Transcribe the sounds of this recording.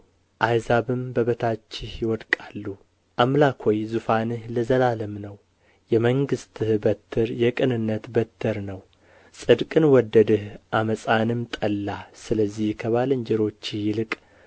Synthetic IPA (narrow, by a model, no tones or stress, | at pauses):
ʔajzaβɨmbəβət̪ʰat͡ʃːɪhjɪwɔd̪kʼalːu | ʔamlakʰojzufanɨhləzəlaləmnəw | jɛməŋɡɨst̪ɨhbət̪ʰːɨɾjɛkʼɨnɨnːət̪bət̪ʰːɨɾnəw | sʼɨd̪kʼɨnwɔd̪ːəd̪ɨhʔaməsʼanɨmt̪ʼəlːasɨləzːihkʰəβalɨɲd͡ʒɛɾo̞t͡ʃːijɪlɨkʼ